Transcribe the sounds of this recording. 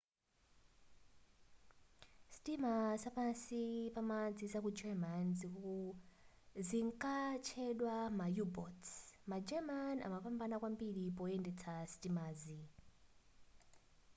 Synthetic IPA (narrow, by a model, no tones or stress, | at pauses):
stimasapansipamad͡zizakud͡ʒɛmanziku | ziŋkat͡ʃʰɛɗwamajubɔtsmad͡ʒɛmana̰mapambanakwambiɗipɔɛndɛt͡sʰastimaːzi